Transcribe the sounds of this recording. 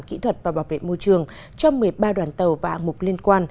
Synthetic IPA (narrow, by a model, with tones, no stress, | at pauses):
nkḭ˧˥t̪ʰwə˨˩t̚vaː˨˩ɓaː˧˩wvḛ˧˨mo˧jt͡ɕɨ˨˩əŋ | t͡ɕɔ˧ŋ͡mmɨ˨˩əjɓaː˧ɗwaː˨˩nt̪ə˨˩wvaː˨ʔa̰˧˩ŋmʊ˨˩k͡p̚li˧ənkwaː˧n